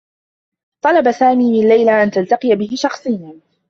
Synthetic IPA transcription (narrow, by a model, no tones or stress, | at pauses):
t̪ˤɑlɑbasaːmiːmɪnlːajlaʔant̪alt̪ɑqɨjabɪhɪʃɑxsˤɨjan